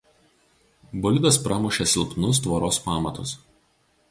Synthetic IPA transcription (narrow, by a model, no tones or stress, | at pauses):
bɔlʲɪd̪ɐspɾɑːmʊʃʲɛsʲɪlˠpnʊs̬t̪ʋɐɾoːspɑːmɐt̪ʊs